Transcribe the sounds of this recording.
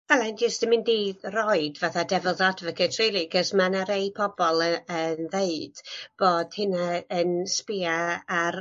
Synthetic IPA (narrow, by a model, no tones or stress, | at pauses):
vɛlˠand͡ʒɪsd̥ɪmɪndirɔɨdvaθadɛvəlˠðadvəkʰətʰrelˠiɡəsmanaɾeɨpʰɔbɔlˠəənðeɨd̥b̥oːd̥hɨnaənspɪaar